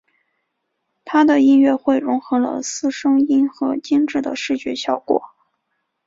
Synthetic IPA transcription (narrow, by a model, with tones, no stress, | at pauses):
t̪ʰa˥d̪ə˨i˥nɥɛ˥˧xwe˥˩ɪɻʊ˧˥ŋxɤ˧˥lə̰˧sɹ̩˥ʂɤ˥ŋi˥nxɤ˧˥t͡ɕi˥ŋʈ͡ʂɻ̩˥˩d̪ə̰˩ʂɻ̩˥˩t͡ɕɥɛ˧˥ɕjɑ˥˩ʊkwɔ̰˨˩˦